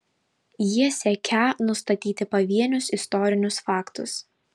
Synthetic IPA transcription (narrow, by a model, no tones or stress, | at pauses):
jiɛsʲɛkʲænʊst̪ɐt̪ʲiːt̪ʲɪpɐʋʲiɛnʲʊsɪst̪ɔːɾʲɪnʲʊsfɑːkt̪ʊs